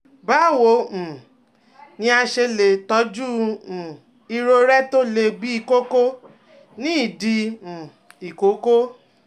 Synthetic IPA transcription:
ba˨˦˨wõ˨˦˨ | nĩ˧˦a˧ʃe˧le˨tɔ˨˦d͡ʒũ˦˨ | i˧ɾo˧ɾɛ˦to˦le˧bi˦i˧ko˦ko˦ | nĩ˦i˦˨dĩ˧˨ | i˨ko˨˦ko˦

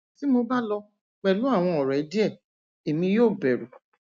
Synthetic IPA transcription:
ti˨˦mo˧ba˦lɔ˧ | k͡pɛ˨lu˨˦a˦˨w̃ɔ̃˧ɔ˨ɾɛ˨˦di˦ɛ˦˨ | e˨mĩ˧joː˦˨bɛ˨ɾu˨

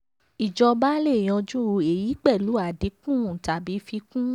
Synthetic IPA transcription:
i˨d͡ʒɔ˧ba˦le˦˨j̃ɔ̃˧d͡ʒũ˦o˧˨e˨ji˨˦k͡pɛ˦˨lu˨˦a˦˨di˨˦kũ˦˨ũ˨ta˨bi˨˦fi˧kũ˦

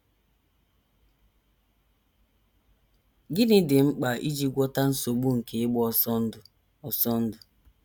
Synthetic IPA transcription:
ɡɪ˦nɪ˦dɪ˨ŋ͡m̩˦k͡pa˨ʔi˦d͡ʒi˦ɡʷɔ˦ta˦n̩˦so˨ɡ͡bu˦ŋ̩˨ke˨ɪ˦ɡ͡bɔ˦sɔ˦˨ | ɔ˨sɔ˦n̩˦dʊ˨

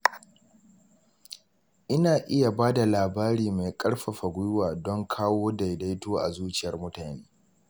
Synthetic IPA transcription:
ʔɪ˦naː˨ʔɪ˦ja˨baː˦da˨laː˨baː˦ɾiː˨ma˨kʼɐ˦ɽɸɐ˨ɸa˨ɡʷʊ˦jʊ˦waː˨dɔ˦ŋkʰaː˦woː˦da˨jda˦jtoː˦ʔa̰˨zuː˦t͡ʃɪ˦jɐ˨rmʊ˦taː˨neː˦

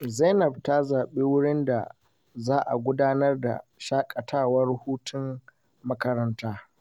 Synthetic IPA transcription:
za˦nɐ˨bta˦zaː˨ɓeː˦wʊ˦ɽɪ˦nda̰˨ | zaː˦ʔa̰˨ɡʷʊ˦daː˦nɐ˦rda̰˨ʃaː˦kʼɐ˨tʰaː˦˨wɐ˦rhuː˦tʊ˦m | mɐ˦kɐ˦ɾɐ˦ntaː˦

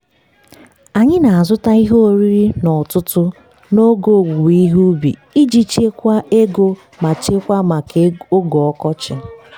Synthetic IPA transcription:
a˨ɲɪ˦na˨a˨zʊ˦ta˦i˦ɦo˦o˦ɾi˦ɾi˦nɔ˨tʊ˦tʊ˦ | no˦ɡo˦˨ɡu˨i˦ɦu˦bḭ˨i˦d͡ʒi˨t͡ʃe˦kʷa˦ʔe˦ɡo˦ | ma˨t͡ʃe˦kʷa˦ma˨ko˦ɡɔ˨ɔ˦kɔ˦t͡ʃɪ˨

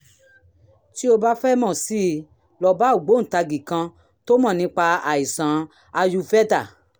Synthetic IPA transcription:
ti˦o˧ba˦fɛ˦mɔ̃˦˨si˦ | lɔ˨ba˨˦u˨ɡ͡bo˨˦n̩˨ta˧ɡi˨kã˧ | to˦mã˦˨nĩ˧˦k͡pa˧a˨i˨sã˨˦ | a˧ju˧fɛ˦da˦˨

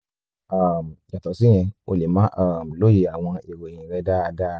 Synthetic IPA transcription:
a˨mja˨tɔ˨sĩ˦ɛ̃˧o̰˨˧le˨mã˨˦ʔa˦˨m̩˨lo˦ji˨a˨w̃ɔ̃˧e˨wo˨j̃ĩ˨ɾɛ˦da˦a˧da˦

